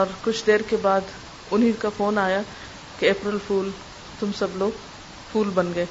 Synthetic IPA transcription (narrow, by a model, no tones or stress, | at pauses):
ɔːɾkʊt͡ʃʰd̪eːɾkebaːd̪ | ʊnɦĩkafoːnaːja | keeːpɾəlfuːl | t̪ʊmsɐbloːɡ | fʰuːlbɐnɡɐeː